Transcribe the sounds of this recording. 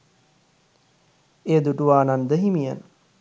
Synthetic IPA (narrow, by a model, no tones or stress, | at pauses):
eːd̪uʈuʋaːnand̪əɦimija̰nə